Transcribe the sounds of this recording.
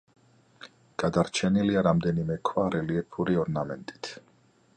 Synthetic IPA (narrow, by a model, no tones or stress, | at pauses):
ɡ̥ad̪aɾt͡ʃʰɛniliaɾamd̪ɛnimɛkʰvaɾɛliɛpʰuɾiɔɾnamɛnt̪ʼi̥t̪ʰ